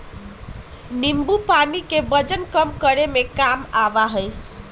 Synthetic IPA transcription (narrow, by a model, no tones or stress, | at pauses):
nimbupanikebəd͡ʒənkəmkəɾemekamabaɦəj